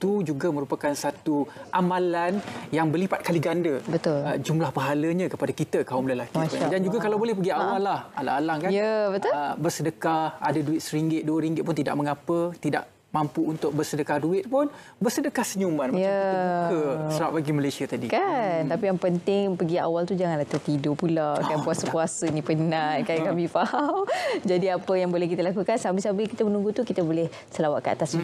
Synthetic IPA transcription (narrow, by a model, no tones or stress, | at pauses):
t̪ud͡ʒuɡamə̃ɾupakansat̪uʔamalanjaŋbərlipat̪̚kaliɡandəbət̪ʊləd͡ʒumlahpaɦaləɲãkəpadakit̪akaʊmləlakipʊdand͡ʒuɡakalawbolɛhpəɡiawalaha̰la̰ʔalahkanjəbət̪bərsədəkaha̰daduɪt̪̚səɾiŋɡɪt̪̚duəɾiŋɡɪt̪̚pʊnt̪ida̰ʔ̚məŋapət̪ida̰ʔ | mampuunt̪ʊk̚bərsədəkahduɪt̪̚pʊn | bərsədəkahsəɲumanmajəkəsəɾap̚aɡimalajsiat̪adikant̪apijaŋpənt̪ɪŋpəɡia̰walt̪ud͡ʒaŋanlaht̪ərt̪idopulaʔkanpuasəpuasənĩpənaʔkajakamifahamd͡ʒadiapəjaŋbolɛhkit̪əlakukansambəsambəkit̪əmənũŋɡut̪ukit̪əbolɛh | səlawaʔkəa̰t̪as